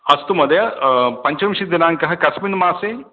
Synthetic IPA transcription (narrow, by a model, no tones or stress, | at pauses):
ɐst̪umɐd̪ɐjɐpɐɲt͡ʃɐmʂid̪inaːŋkɐɦɐkɐsminmaːseː